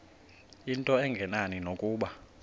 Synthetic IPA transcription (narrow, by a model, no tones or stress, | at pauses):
intʼɔɛŋɡʱɛnaninokʼuːɓa